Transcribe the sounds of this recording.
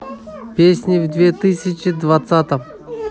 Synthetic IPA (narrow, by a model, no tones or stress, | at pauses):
pʲesʲnʲɪvd̪vʲet̪ɨsʲɪt͡ɕɪd̪vat̪sat̪əm